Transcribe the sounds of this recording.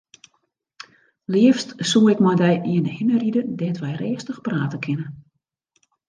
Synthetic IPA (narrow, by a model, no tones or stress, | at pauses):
liəfstsuːɪkmɔjdɛjʔiənəhinəridədɛtʋɛjrɛːstəxpraːtəkʰɪnə